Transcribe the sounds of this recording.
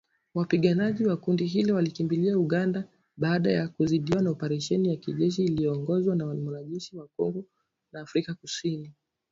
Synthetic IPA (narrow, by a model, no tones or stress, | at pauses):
wapiɠanaʄiwakundiɦilɔwalikimbiliauɠanda | ɓaːɗajakuziɗiwanaɔpɛɾɛʃɛnijakiʄɛʃ̬iːlijɔːŋɡɔzwanawmɔnaʄɛʃiwakɔŋɡɔ | naːfɾikakusini